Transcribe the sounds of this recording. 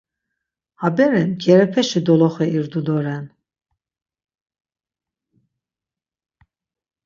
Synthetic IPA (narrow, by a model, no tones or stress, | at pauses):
habɛɾɛnɡɛɾɛpʰɛʃid̪ɔlɔχɛiɾd̪ud̪ɔɾɛn